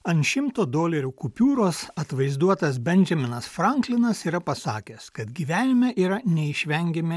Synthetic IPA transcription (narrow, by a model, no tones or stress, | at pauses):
ɐnʃʲɪmt̪oːd̪oːlʲɛɾʲuːkʊpʲuːɾoːsɐt̪ʋɐɪzd̪uɔt̪ɐsbʲɛnʲd͡ʒʲɛmʲɪnɐsfɾɐŋklʲɪnɐsiːɾɐpɐsɑ̰ːkʲɛskɐt̪ɡʲiːʋʲæːnʲɪmʲɛʔiːɾɐnʲɛɪʃʲʋʲɛŋʲɡʲɛmʲɪ